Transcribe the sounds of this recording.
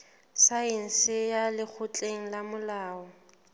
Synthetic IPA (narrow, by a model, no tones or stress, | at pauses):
saɪn̩sɪjalɪk͡xʰʊt͡ɬʼeŋ̩lamʊlaːɔ